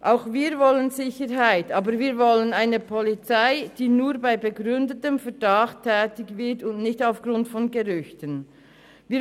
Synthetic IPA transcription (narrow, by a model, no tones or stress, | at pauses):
ʔaʊxviːʁvɔlənzɪçəɾɦaɪtʔaːbəɾviːɐvɔlənaɪnəpʰɔlit͡saɪd̥iːnuːbaɪbəɡʁʏndətəmfɛɐdaχtʰːɛːtɪçvɪtʊndnɪçtaʊfɡ̥ʁʊntfɔnɡəʁʏçtən | viː